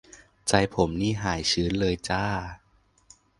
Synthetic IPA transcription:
t͡ɕa˧jpʰo˨˩˦mniː˥˩ɦaː˩˦jt͡ɕʰɯː˦˥nlɤː˧jt͡ɕaː˥˩

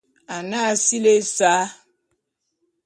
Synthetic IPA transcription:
a˨na˦si˦le˦sa˨˦

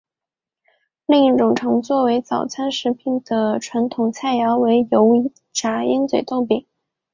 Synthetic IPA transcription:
li˥˧ŋi˥˩ʈ͡ʂʊ˨˩ŋʈ͡ʂʰɤ˧˥ŋt͡swɔ˥˩we˧˥ɪt͡sɑ˨˩ʊt͡sʰa˥nʂɻ̩˧˥pʰi˨˩nd̪̥ə˩ʈ͡ʂʰwa˧˥nt̪ʰʊ˨˩ŋt͡sʰa˥˩ɪjɑ˧˥ʊwe˧˥ɪjo˧˥ʊ˧˥ | ʈ͡ʂa˧˥i˥nt͡swe˨˩t̪o˥˩ʊpi˨˩˦

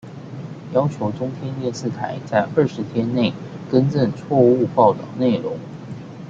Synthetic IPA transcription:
jɑ˥ʊt͡ɕʰjo˧˥ʊʈ͡ʂʊ˥ŋt̪ʰjɛ˥nt̪jɛ˥˧nsɹ̩˥˩t̪ʰa˨˩˦ɪt͡sa˥˧ɪʔə˞˥˧ʂɻ̩˧˥t̪ʰjɛ˥nne˥˩ɪ | kə˥nʈ͡ʂə˥˧nt͡sʰwɔ˥˧u˥˧pɑ˥˩ʊt̪ɑ̰˨˩ʊne˥˩ɪɻʊ̰˧˥ŋ

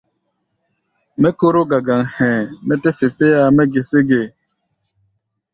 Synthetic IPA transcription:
mɛ˦ko˦ɾo˦ɡa˨ɡa˨ŋhɛ̃˨mɛ˦te˦fe˨fe˦ja˦mɛ˦ɡe˨se˦ɡe˨

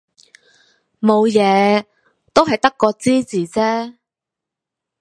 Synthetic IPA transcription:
mo˨˧wjɛː˨˧ | t̪o˥wɦɐ˨jt̪ɐ˥kːɔː˧t͡siː˥t͡siː˨t͡sɛː˥

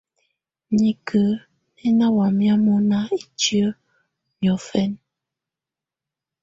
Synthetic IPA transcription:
ɲi˨kʰə˨˦ | nɛ˦na˦wa˨mja˦mo˦na˦e˨t͡ʃi˦ə˦ | mjɔ˨fɛ˦n

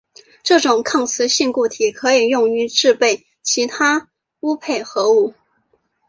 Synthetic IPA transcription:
ʈ͡ʂɤ˥˩ʈ͡ʂʊ˨˩ŋkʰɑ˥˩ŋt͡sʰɹ̩˧˥ɕi˥˧ŋku˥˩t̪ʰi˨˩kʰɤ˧˥i˨˩jʊ˥˩ŋy˧˥ʈ͡ʂɻ̩˥˧pe˥˩ɪ | t͡ɕʰi˧˥t̪ʰa˥ | u˥pʰe˥˩ɪxɤ˧˥u˥˩

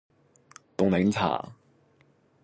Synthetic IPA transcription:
t̪ʊ˨˩ŋle˨˧˥ŋt͡sʰa̰ː˨˩

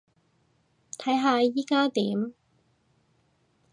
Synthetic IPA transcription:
t̪ʰɐ˨˥jɦaː˨˧jiː˨˥kaː˥t̪iː˨˥m

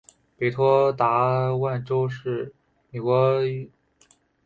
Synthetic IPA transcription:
pe˨˩t̪ʰwɔ˥t̪a˧˥wa˥˩nʈ͡ʂo˥ʊʂɻ̩˥˩ | me˨˩kwɔ˧˥

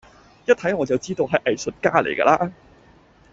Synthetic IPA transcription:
jɐ˥t̚t̪ʰɐ˨˥jŋɔː˨˧t͡sɐ˨wt͡siː˥t̪o˧wɦɐ˨˥jʔɐ˨jsɵ˨t̚kaː˥lḛ˨˩jkɐ̰˧laː˥

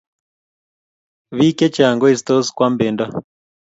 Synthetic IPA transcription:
βi˦kɛ˦t͡ʃa˨ŋɡɔ˦i˨st̪ɔ˦skwa˦mbe˨nda˦

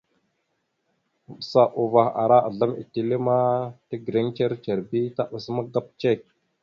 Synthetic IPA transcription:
sa˨ʔu˨va˨xa̰˨ɾa˦ʔa˨ɮa˦mḭ˨ti˨le˦ma˦tə˦ɡɾe˦ŋt͡ʃe˦ɾt͡ʃe˨ɾbi˦ta˦ɓa˨sma˦ɡa˦p̚t͡ʃe˦˨k̚

